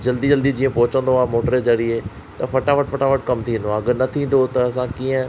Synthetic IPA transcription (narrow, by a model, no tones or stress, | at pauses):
d͡ʑɐld̪id͡ʑɐld̪id͡ʑĩːə̃pɔɦʊt͡ɕə̃nd̪oaːɦmoːʈəɾed͡ʑɐɾie | t̪ɐfɐʈaːʋəʈfɐʈaʋəʈ̚kɐmt̪ʰĩːnd̪oãːɐɡəɾnɐt̪ʰĩːn̆d̪ot̪ɐːsãkĩːə̃